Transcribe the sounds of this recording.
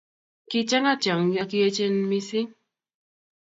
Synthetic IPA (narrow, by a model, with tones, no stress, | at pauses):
ki˦t͡ʃa˦ŋa˦t͡ʃa˨ŋja˦ki˦e˦t͡ʃe˦n˦mi˦si˦